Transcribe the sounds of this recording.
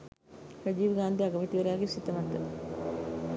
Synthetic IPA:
ɾɐd͡ʒiːʋɡaːnd̪iɐɡɐmiʈ̪iʋɐɾaːɡesit̪ːɐʋɐnd̪ə

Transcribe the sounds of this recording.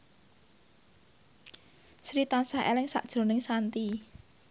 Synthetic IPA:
sɾit̪ansahḛlɪŋsa̰ʔd̥ʒ̥ɾo̤nɪŋsant̪i

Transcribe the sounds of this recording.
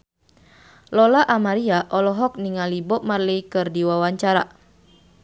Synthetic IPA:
lɔlaʔamaɾiaʔɔlɔɦɔk̚niŋalibɔp̚marlikɨrdiwawaɲt͡ʃaɾa

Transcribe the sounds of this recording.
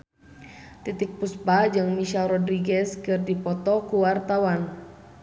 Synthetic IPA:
t̪it̪ik̚puspad͡ʒɨŋmiʃalrɔdɾiɡɛskɨrdipɔt̪ɔkuwart̪awan

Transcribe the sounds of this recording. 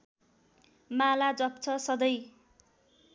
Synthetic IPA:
malad͡zʌp̚t͡sʰʌsʌd̪ʌj

